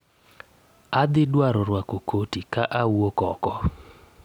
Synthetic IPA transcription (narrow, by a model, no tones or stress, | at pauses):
ad̪ɪdwaɾɔɾwakokʰotikaʔawokɔ̰kɔ